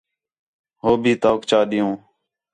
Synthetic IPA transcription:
ɦoːbʱiːt̪oːkt͡ʃaːɗɪjõː

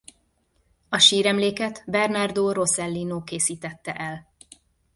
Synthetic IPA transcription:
ɒʃiːɾɛmleːkɛt̪bɛrnard̪oːɾo̞sɛlːiːnoːkeːsiːt̪ɛt̪ːɛʔɛl

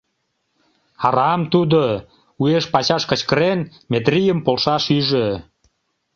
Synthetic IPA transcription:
ɑɾɑmt̪ud̪o | ueʃpɑt͡ɕɑʃkə̆t͡ɕkəɾen | met̪rijəmpolʃɑʃyʒø

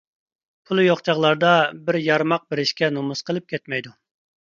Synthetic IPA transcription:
pʰulˠujoχt͡ʃʰɑʁlˠɑɾd̪ɑbɪɾjɑɾmɑq̚bɪɾɪʃkʲɛnomuz̥qʰəlˠɨp̚kʲʰɛt̪mɛjd̪u

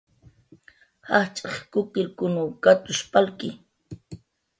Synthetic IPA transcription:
haχt͡ʃʼaχkʊkɪɾkʊnʊkat̪ʊʃpʼalkɪ

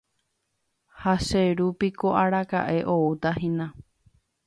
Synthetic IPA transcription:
haʃeɾupikoʔaɾaka̰ʔe̞ʔo̞ut̪ahĩnã

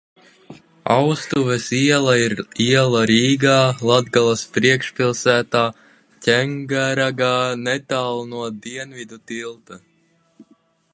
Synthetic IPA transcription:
a̰wst̪uvɛsiɛlˠaiɾiɛlˠaɾiːɡaːlˠad̪ɡalˠaspɾiɛkʃpilˠsæːt̪aː | cʲɛŋɡaɾaɡaːnɛt̪aːlˠnuɔd̪iɛnvid̪ut̪ilˠt̪a

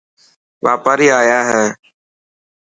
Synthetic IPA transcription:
ʋa̰ːpaːɾiːaːjaːɦɛː

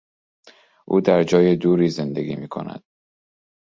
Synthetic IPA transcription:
ʔuːd̪æɾd͡ʒɒːjed̪uːɾiːze̞nd̪eɡʲḭːmiːkʰo̰næ̰d̪̥

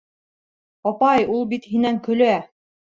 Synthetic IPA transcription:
ɑpɑjulˠbit̪hinæŋkɵ̆læ

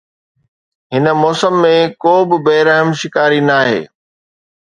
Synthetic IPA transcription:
ɦɪnə̆mɔːsəmːẽkoːbɪ̆beːɾəɦəmʃɪkaːɾinaːɦḛː

